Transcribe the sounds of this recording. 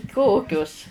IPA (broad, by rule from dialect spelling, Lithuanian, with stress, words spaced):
ˈkoːkʲʊs